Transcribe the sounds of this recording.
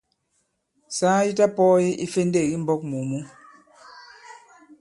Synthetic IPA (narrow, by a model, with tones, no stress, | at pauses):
saː˦ji˦ta˦pɔː˦je˦ʔi˦fe˦n˦de˦˨ɣi˦m̩˦bɔ˦k̚mu˨mu˦